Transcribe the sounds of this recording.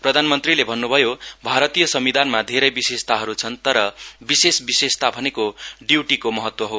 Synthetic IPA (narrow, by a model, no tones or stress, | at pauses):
prʌd̪ʱanmʌnt̪rilebʱʌnːubʱʌjobʱaɾʌt̪ijʌsʌmid̪ʱanmad̪ʱeɾʌjbisest̪aɦʌɾut͡sʰʌnt̪ʌɾʌbisesbisest̪abʱʌnekoɖiwʈikomʌɦʌt̪wʌɦo